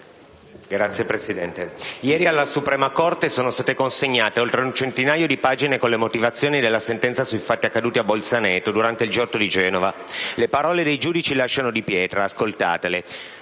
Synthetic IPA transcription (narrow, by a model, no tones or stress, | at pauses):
ɡɾat̪sːjepɾesid̪ɛnt̪ejɛːɾialːasupɾɛːmakort̪esoːnost̪aːt̪ekonseɲːaːt̪eolt̪ɾeunt͡ʃent̪inaːjod̪ipaːd͡ʒinekonlemot̪ivat̪sːjoːnid̪elːasent̪ɛnt̪sasujfat̪ːiakːad̪uːt̪iabːolsanɛːt̪od̪uɾant̪eild͡ʒɔt̪ːod̪id͡ʒɛːnovalepaɾɔːled̪ejd͡ʒuːd̪it͡ʃilaʃːanod̪ipjɛːt̪ɾaːskolt̪a̰ːt̪ele